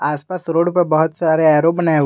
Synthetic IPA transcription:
aːspaːsɾoːɽpəɾbəɦʊt̪saːɾeaːɾobənae

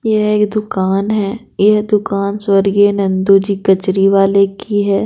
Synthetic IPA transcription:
jɛɦeːkd̪ʊkaːnɦɛː | jɛɦd̪ʊkaːnswəɾɡenɐ̃nd̪od͡ʒiːkɐt͡ʃɾiʋaːlekiɦɛː

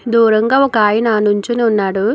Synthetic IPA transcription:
d̪uːɾɐŋɡaːɔkɐaːjɐnaːnuɲt͡ʃineunːaːɽu

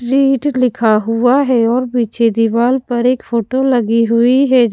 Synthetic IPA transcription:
ɾiːʈlɪkʰaɦʊaɦɛɔːɾbiːt͡ʃʰed̪iʋaːlpɐɾeːkfoːʈolɐɡiɦʊiɦɛ

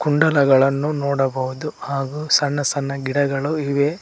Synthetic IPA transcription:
kuɳɖɐlɐɡɐɭɐnːunoːɽɐbɐɦud̪uhaːɡusɐnːɐsɐnːɐɡiɽɐɡɐɭuiʋe

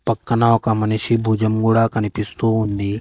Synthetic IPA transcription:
pɐkːɐnaːwkamɐniʃibʱud͡ʒɐmɡuɽakɐnipist̪oɦũnd̪i

